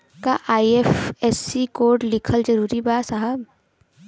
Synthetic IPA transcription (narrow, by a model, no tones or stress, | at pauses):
kaʔaːiefɛsikoːɾɖlɪkʰəld͡ʒɐɾuːɾibaːsaɦəb